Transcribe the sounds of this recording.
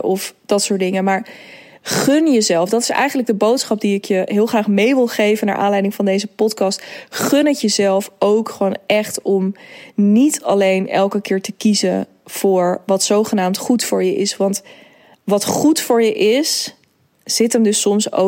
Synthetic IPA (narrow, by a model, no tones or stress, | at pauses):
ɔfd̥ɑtsʊːɹdɪŋəmaːɹ | χønjəzɛlˠfdɑtɪ̥sɛ̰jχənləɡ̚dəbowtsχɑp̚diɪkjəɦɪːlˠχraːχmejʋɪlˠχejvəna̰ɹʔa̰ːnlɛjdɪŋvɑndejzəpɔtkɑstχønətjəzɛlˠfowkχəʋoːnɛχtɔmnitɑ̰lejnɛ̰lˠkəkɪːɹtəkizən | v̥ʊːɹʋɑtsowχənaːmtχutfʊːɹjəʔɪsʋɑnt | ʋɑtχutfʊːɹjəʔɪs | z̥ɪtəmdɵsɔmso̰